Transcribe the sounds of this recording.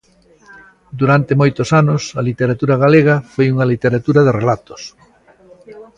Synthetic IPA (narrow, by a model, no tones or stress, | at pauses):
d̪uɾant̪emojt̪osanʊsɐlit̪eɾat̪uɾɐɣaleɣɐfojuŋɐlit̪eɾat̪uɾɐðerelat̪o̥s